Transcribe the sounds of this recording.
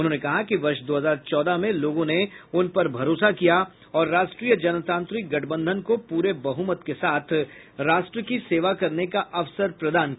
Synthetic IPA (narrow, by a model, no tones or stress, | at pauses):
ʊnɦõːnekɐɦakiʋɐɾʃd̪oːɦɐzaːɾt͡ʃɔːd̪amẽloːɡõneʊnpɐɾbʱɐɾoːsakija | ɔːɾːaːʃʈɾiːjəd͡ʒɐnət̪ãːnt̪ɾɪk̚ɡɐʈʰbə̃nd̪ʱənkopuːɾebɐɦumət̪kesaːt̪ʰ | ɾaːʃʈɾəkiseːʋakɐɾnekaʔɐʋsəɾpɾɐd̪aːnk